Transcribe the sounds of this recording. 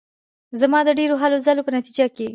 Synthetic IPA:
zamɑd̪əɖeɾoɦalozalopənat̪id͡ʒake

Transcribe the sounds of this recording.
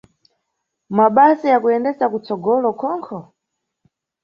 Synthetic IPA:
maɓasijakuɛndɛzakut͡sɔɡɔlɔkʰɔŋkʰɔ

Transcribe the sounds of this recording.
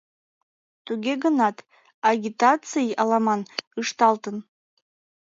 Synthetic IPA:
t̪uɡʲeɡənɑt̪ | ɑɡʲit̪at͡sɨjɑlɑmɑnɯʃt̪ɑlˠt̪ən

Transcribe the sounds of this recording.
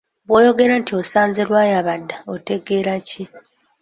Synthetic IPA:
βwo̞ːjo̞ɡe̞ɾantio̞saːnzeɾwaːjaβadːaote̞ɡe̞ːɾaci

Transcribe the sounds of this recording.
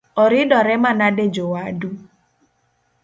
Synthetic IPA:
ɔɾɪdɔɾɛmanaded͡ʒowaadu

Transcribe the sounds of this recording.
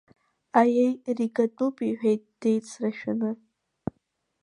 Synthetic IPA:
ajejriɡatʼupʼiħʷᶣejt̚ʼd̥ejt͡sʰraʃᶣanɨ

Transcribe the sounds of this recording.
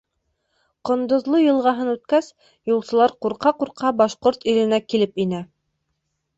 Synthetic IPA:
qŏnd̪ŏðlˠojɤ̆lˠʁɑɦɤnʉt̪kæs | julˠsɤ̆lˠɑɾquɾqɑquɾqʰɑbɑʃqoɾt̪ilɘ̆nækilɘpinæ

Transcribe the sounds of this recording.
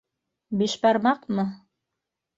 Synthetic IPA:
biʃbɑɾmɑqmɤ

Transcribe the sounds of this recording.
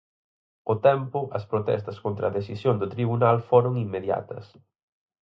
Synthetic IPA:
ʊt̪ɛmpʊʔɐspɾot̪ɛ̰st̪ɐskont̪ɾɐðesisjoŋd̪ʊt̪ɾiβunalfoɾʊŋimːeðja̰t̪ɐ̰s

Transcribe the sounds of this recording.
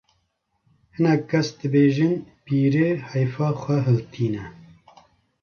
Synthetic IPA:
hɨnɛkkʰːɛsd̪ɨbeːʒɨnpiːɾeːhɑjfɑːxʷɛɦɨlt̪ʰiːnɛ

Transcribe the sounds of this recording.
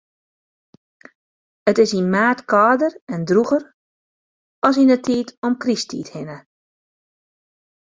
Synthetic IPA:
ətɪsinmaːtkɔːdərɛndruɣər | ɔlˠsinətʰiːtʰɔmkristḭːthɪnə

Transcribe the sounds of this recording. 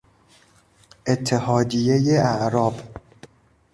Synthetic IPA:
ʔet̪ʰːehɒːd̪ijejeæʔɾɒːb

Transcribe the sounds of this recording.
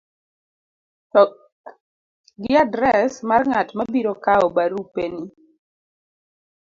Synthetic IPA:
ɡɪadɾɛsmarŋatmabiɾokaɔbaɾupeni

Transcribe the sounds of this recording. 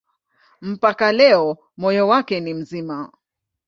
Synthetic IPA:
m̩pakalɛɔ | mɔjɔwakɛnim̩zima

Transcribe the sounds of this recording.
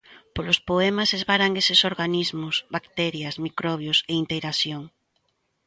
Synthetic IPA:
polospoemasezβaɾaŋesesoɾɣanizmʊsβakt̪ɛɾjɐsmikɾɔβjʊseint̪ejɾasjoŋ

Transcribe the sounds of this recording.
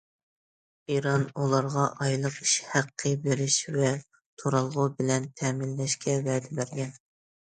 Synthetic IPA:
iɾɑnulˠɑɾʁɑʔɑjlˠəqi̥ʃhæqʰːɨbeɾɪʃvɛ | t̪ʰoɾɑlˠʁʊbɪlɛnt̪ʰɛmɪlːɛʃkʲɛvɛːd̪ɛbæɾɡʲɛn

